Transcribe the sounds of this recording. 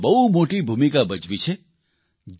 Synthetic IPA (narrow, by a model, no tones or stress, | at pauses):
bɐɦumoːʈibʱuːmikabɐt͡ʃʋit͡ʃʰe | d͡ʒ